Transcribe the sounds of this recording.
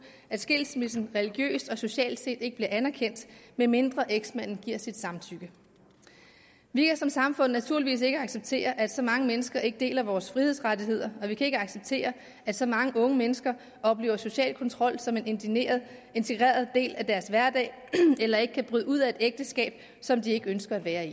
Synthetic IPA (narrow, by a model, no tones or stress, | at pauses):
æd̥sɡ̥e̝l̰smesn̩ʁɛliɡ̥jø̰ːsd̥ɒ̽so̝ɕɛ̰ːld̥se̝̰ːd̥e̝ɡ̥əb̥liɐænæɐkʰen̰d̥meme̝nd̥ʁɐʔeɡ̥smæn̰n̩ɡ̥iɐ̰sid̥sɑ̈mt͡sʰyɡ̥ə | ʋikʰæsɒ̽msɑ̈mfɔ̽n̰næt͡sʰuɐ̰liʋḭːs̬e̝ɡ̥əɑ̈ɡ̥seb̥̚t͡sʰe̝̰ːɐʔæd̥sɒ̽mɑ̈ŋəmenəsɡ̥ɐʔe̝ɡ̥əd̥e̝̰ːlɐæʋɒːsfʁiheðˠsʁɑt͡siɦe̝ð̰ˠɐɒ̽ʋikʰæe̝ɡ̥əɑ̈ɡ̥seb̥̚t͡sʰe̝̰ːɐ | æd̥sɒ̽mɑ̈ŋəʔɔ̽ŋəmenəsɡ̥ɐ | ʔɒ̽b̥le̝ːʊ̰ɐso̝ɕɛ̰ːlkʰɒ̽nt͡sʰʁɒ̽l̰sɒ̽me̝n | e̝nt͡sʰeɡ̥ʁɛ̰ːɐðˠd̥e̝̰ːlʔæd̥æɐsʋæɐd̥ɛ̰ɪ | elɐe̝ɡ̥əkʰæb̥ʁyðˠuð̰ˠæe̝d̥eɡ̥̚d̥əsɡ̥ɛ̰ːb̥ | sɒ̽md̥ie̝ɡ̥əønsɡ̥ɐædʋæːɐi